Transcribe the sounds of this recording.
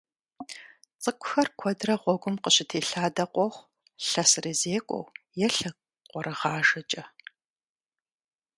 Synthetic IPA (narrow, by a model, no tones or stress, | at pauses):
t͡sʼɨkʷʰʼʊxɐrkʷʰɔdrɐʁʷɔɡʷʊmqəɕɪtʰeːɬaːdɐqʷʼɔχʷ | ɬɐsɨrizeːkʷʼɔ̰wjɛɬɐ | qʷʼɔɾɨʁɑːʒɐt͡ʃʼɐ